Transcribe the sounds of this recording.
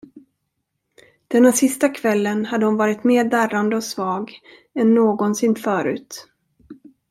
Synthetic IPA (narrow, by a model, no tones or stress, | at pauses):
d̪̥ɛnːaʂɪst̪akʰvɛlːənhad̪ːəhʊnvɑːɾɪt̪meːɖæɾand̪əɔsvɑːɡ | ɛnːoːɡɔnsɪnːfœːɾʉ̟̰ːt̪